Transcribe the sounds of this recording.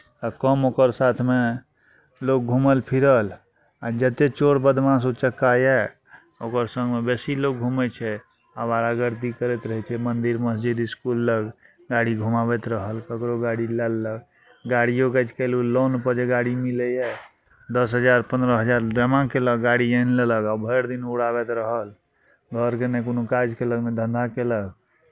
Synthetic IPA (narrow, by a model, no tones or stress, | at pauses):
akəmokəɾsat̪ʰme | lok̚ɡʱuməlpʰiɾəl | ad͡ʒət̪et͡ʃoɽbəd̪ʱmãs̬ot͡ʃəkːajɛ | okəɾsə̃ŋɡmebesilok̚ɡʱumɛt͡ʃʰɛ | aʋaɾaɡəɾt̪ikəɾɛt̪ɾəɦɛt͡ʃʰɛmənd̪iɾməsd͡ʒid̪iskulːəɡ | ɡaɽiɡʱumabɛt̪ɾəɦəlkəkɾoɡaɽilɛlːəɡ | ɡaɽijokɛd͡ʒkɛlulonpəɾd͡ʒeɡaɽimilɛjɛ | d̪əsɦəd͡ʒaɾpə̃nd̪ɾəɦəd͡ʒaɾd̪ɾəmãkeləɡɡaɽiənleləɡabʱəɾd̪inuɽabɛt̪ɾəɦəl | ɡʱəɾkenekonokad͡ʒkeləɡmed̪ʱə̃nd̪ʱakeləɡ